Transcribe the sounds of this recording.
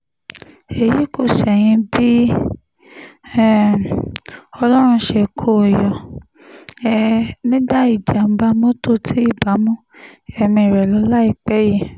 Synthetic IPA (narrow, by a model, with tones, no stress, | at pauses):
e˨ji˨˦ko˦˨ʃɛ˨j̃ĩ˧bi˦˨ | ɔ˧lɔ˦ɾ̃ũ˧ʃɛ˧˨kʰo˦˨jɔ˨ | ɛ˧nĩ˦da˦i˨d͡ʒa˨m̩˦ba˧˦mõ˦to˦˨tʰi˨˦i˦˨ba˨˦mũ˦ɛ˧mĩ˧˨ɾɛ˨lɔ˨˧˦la˦i˦˨k͡pɛ˨˦ji˦˨